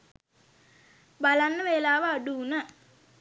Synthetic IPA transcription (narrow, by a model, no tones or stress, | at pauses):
balanːəʋelaːʋəaɖuːnə